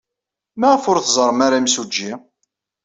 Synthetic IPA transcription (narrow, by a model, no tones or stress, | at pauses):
mæfʊɾθzˤəɾˤmaɾamsud͡ʒːi